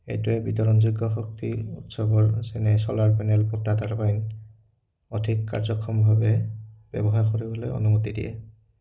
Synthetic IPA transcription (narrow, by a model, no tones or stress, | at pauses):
ḛjtuɛbitɔɹɔnziɡɔxɔk̚tḭutsɔbɔɹsɛnɛsɔlaɹpɛnɛlpɔtːataɹpajn | ɔtʰikːa̰ɹzɔkʰːɔmbʱabɛb̥ɛ̰bɔɦaɹkoɹibɔlojɔ̰numot̪idḭjɛ̰